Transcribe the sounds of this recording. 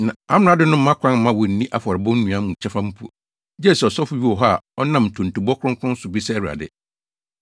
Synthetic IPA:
nã˨a˦m˦˨a˨˦dɪ˦nʊ̃˦m̩˦mã˦kʰʷã˦m̩˦mã˦wɔ˨n̩˨nĩ˦ʔa˦fɔ˨ɾɪ˨bɔ̃˦n̩˦nũ˨ã˦mũ˨t͡ɕʰɛ˦fã˦m̩˦pʰu˦˨ | d͡ʑɛ˦˨sɛ˨ɔ˨sɔ˦fʊ˨˦ɥi˦ɔ˨ɦɔ˦a˨ɔ˦nã˦˨m̩˨tʰʊ̃˨n̩˨tu˨bɔ˦kʰʊ̃˦ŋkʰʊ̃˦n̩˦sʊ˨bi˦sɛ˦wɾa̰˨dɪ̰˨

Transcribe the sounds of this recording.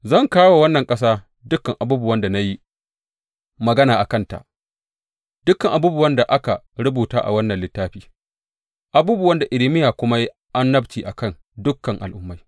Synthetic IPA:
zɐ˦˨ŋkaː˦wo˨wɐ˦nːɐ˨ŋkʼɐ˦s̬aː˦ | dʊ˦kːɐ˨ŋʔa˨buː˦bʊ˨wɐ˦nda˨na˦ji˦ | mɐ˨ɡɐ˦naː˨ʔa˨kɐ˦nta̰˨ʔ | d̥ʊ˦kːɐ˨ŋʔa˨buː˦bʊ˨wɐ˦nda˨ʔa˦ka˨ | ɽʊ˦buː˨taː˦ʔa̰˨wɐ˦nːɐ˨nlɪ˦tːaː˦ɸiː˦ | ʔa˨buː˦bʊ˨wɐ˦nda˨ʔɪ˨lɪ˦mɪ˦jaː˨kʷʊ˦ma˦ji˦ | ʔa˦nːɐ˦bt͡ʃiː˨ʔa˨kɐ˦˨ŋ | dʊ˦kːɐ˨ŋʔa̰˨lʔʊ˦mːa˨j

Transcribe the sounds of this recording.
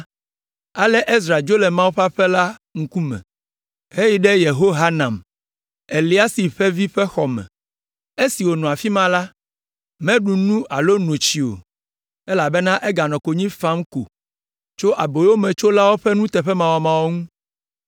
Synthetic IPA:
a˨lɛ˦ʔe˦s̬ɾa˨d͡ʒo˦lɛ˨mã˦wo˦ɸa˦ɸɛ˦la˦ŋ̩˦ku˦mɛ̰̃˨ | he˦ji˦ɖɛ˦je˨ɦo˦ɦa˦nã˨m | e˨li˨˦a˦si˨ɸɛ˦vi˦ɸɛ˦xɔ˨mɛ̰̃˨ | e˦si˨wo˨nɔ̃˨a˨fi˦mã˦la˦ | mɛ̃˦ɖu˨nũ˦ʔa˨lo˦nõ˨t͡ɕi˨o̰˨ | ɛ˦la˨bɛ˦nã˦ʔe˦ɡa˨nɔ̃˨ko˨ɲĩ˦fã˦m˦ko̰˨ | t͡ʃo˦ʔa˨bo˨˦o˦mɛ̃˨t͡ʃo˦la˦wo˦ɸɛ˦nũ˦t̪ɛ˨ɸɛ˦mã˨wa˨mã˨wo˦ŋũ˦

